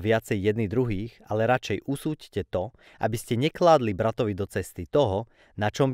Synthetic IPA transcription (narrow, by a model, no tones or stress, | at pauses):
ʋɪat͡sɛjːɛd̪nid̪ɾuɦiːxalɛɾat͡ʃɛjʔusuːccɛt̪ɔ | ʔa̰biscɛɲɛklaːd̪libɾat̪ɔʋid̪ɔt͡sɛst̪it̪ɔɦɔ | nat͡ʃɔmb